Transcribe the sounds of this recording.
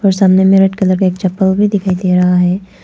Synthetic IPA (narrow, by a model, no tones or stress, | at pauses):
ɔːɾsaːmnemẽɾɐʈkɐləɾkaeːk̚t͡ʃɐpːəlbʱid̪ɪkʰaːid̪eːɾɐɦaɦɛː